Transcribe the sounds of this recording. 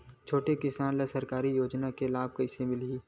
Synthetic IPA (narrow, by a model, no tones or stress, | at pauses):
t͡ʃʰoːʈekɪsaːnlesɐɾkaːɾijoːd͡ʒnakelaːb̚kɐɪsemɪliː